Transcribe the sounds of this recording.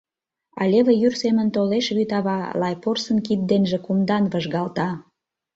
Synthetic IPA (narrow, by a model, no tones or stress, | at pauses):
ɑ̰lʲeβĕjyrsemə̆nt̪oleʃβyt̪ɑβɑlɑjporsənkit̪̚d̪enʒĕkumd̪ɑnβəʒɣɑlt̪ɑ